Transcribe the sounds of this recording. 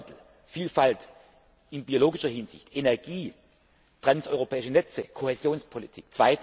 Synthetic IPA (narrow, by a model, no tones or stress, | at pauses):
tl̩ | fiːlfalt | ɪnbioloːɡɪʃɐhɪnz̥ɪ̰çtʔenɛɐɡiː | tʁ̥ansʔɔʏʁopʰɛːɪʃənɛt͡səkʰohezjoːnspʰolitʰik̚t͡sv̥aɪt